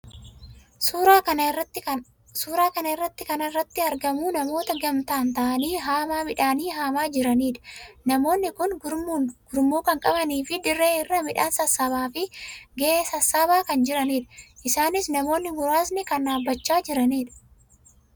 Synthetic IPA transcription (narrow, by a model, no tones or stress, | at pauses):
ɾaɐɐɐ | suːɾaːkɐnɐɪrːɐt̪ːɪkɐnɐrːɐt̪ːɪɐɾɡɐmuːnɐmo̞ːt̪ɐɡɐmt̪aːnt̪ɐʔɐniːɦaːmaːmɪᶑaːniːɦaːmaːd͡ʒɪɾɐniːᶑɐ̥nɐmo̞ːnːɪkʊnɡʊɡ̥ʊɾmuːkɐŋkʼɐbɐniːfɪd̪ɪrːe̞ːɪrːɐmɪᶑaːnsɐsːaβaːfɪɡeeːsɐsːaːbaːkɐnd͡ʒɪɾɐniːᶑɐ̥ʔɪsaːnɪsnɐmo̞ːnːɪɡʊɾaːsnɪkɐnːaːbːɐt͡ʃːaːd͡ʒɪɾɐniːᶑɐ̥